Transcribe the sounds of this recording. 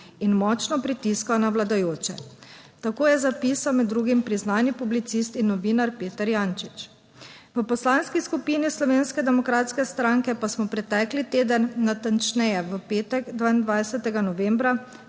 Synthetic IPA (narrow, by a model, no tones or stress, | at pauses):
inmɔt͡ʃnɔpɾit̪iskawnawlad̪ajoːt͡ʃɛ̰ | t̪akoːjɛzapiːsawmɛd̪ːɾuːɡimpɾiznaːnipublit̪sist̪inːɔʋiːnaɾpeːt̪əɾjaːnt͡ʃit͡ʃ | ʋəpɔslanskiskupiːnislɔʋeːnskɛd̪ɛmɔkɾaːt̪skɛst̪ɾaŋkɛpasmɔpɾɛt̪ɛklit̪eːd̪ənːat̪ant͡ʃnɛjɛʋəpeːt̪ɛɡd̪ʋaːind̪ʋajsɛt̪ɛɡanɔʋembɾa